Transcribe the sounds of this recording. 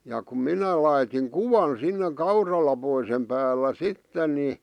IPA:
jɑ kum minæ lɑitiŋ kuʋɑn sinːe kɑurɑlɑpoisem pæːlːæ sitːen ni

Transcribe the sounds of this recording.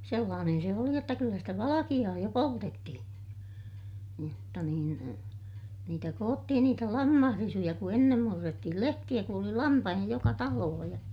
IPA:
selːɑːnen se oli jotːɑ kylːæ stæ ʋɑlɑkij̆ɑː jo poltetːihĩː jotːɑ niːn niːtæ koːtːihin niːtæ lɑmːɑhrisujɑ ku enːem murːetːihil lehtij̆æ ku oli lɑmpɑhij̆ɑ jokɑ tɑloːh jɑ

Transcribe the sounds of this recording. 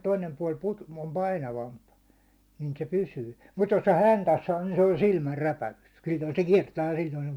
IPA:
toinem puɑˑl put om pɑinɑʋɑmp nin se pysyː mut jos se hæntæs sɑː nin se on silmærːæpæykses silʲːoi se kiɛrtæː jɑ silʲːoi se̥ o̥m̥

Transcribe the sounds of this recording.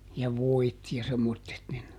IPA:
jɑ ʋoit jɑ semːotːet nin

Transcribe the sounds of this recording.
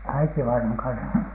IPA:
æitiʋɑinɑŋ kɑnsɑ

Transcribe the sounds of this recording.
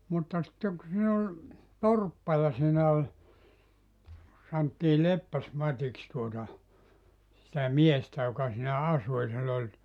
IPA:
mutːɑ sitːeŋ ku siːn ol torpːɑ jɑ siːnæ olʲ sɑntːiː lepːæsmɑtʲiks tuotɑ sitæ miestæ jokɑ siːnæ ɑsu jɑ silː olʲ

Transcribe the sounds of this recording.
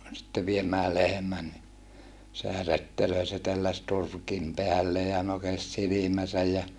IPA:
sĭtːe ʋiemæː lehĕmæn ni sehæ retːeløi se telːæs turkim peælːeː jɑ nokes silimæsæj jɑ

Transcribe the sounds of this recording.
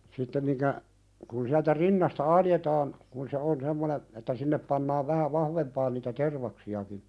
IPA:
sitːem miŋkæ kun siæltæ rinːɑstɑ ɑljetɑːn kun se on semːonen etːæ sinːep pɑnːɑːʋ ʋæhæ ʋɑhʋempɑːn niːtæ terʋɑksiɑki

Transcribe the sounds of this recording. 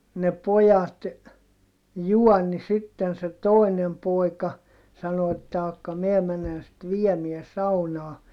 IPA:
ne pojɑt juɔnːi sitːen se toˑinem poˑikɑ sɑno etːæ ɑkːɑ miɛ menen sit ʋiɛmiɛ sɑunɑː

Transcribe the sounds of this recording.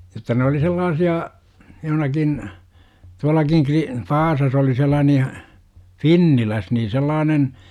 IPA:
jotːɑ ne oli selːɑːsiɑ johə̆nɑkin tuɑlɑkiŋ kri ʋɑːsɑs oli selːɑːnej jɑ finːilæs niː selːɑːnen

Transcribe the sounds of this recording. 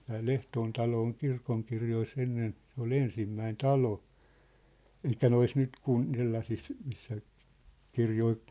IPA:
tæː l̥ehtoːn tɑlo oŋ kirkoŋkirjois enːen se ol ensimːæin tɑlo elikˑæ nois nyt kun selːɑsis misːæ kirjoi

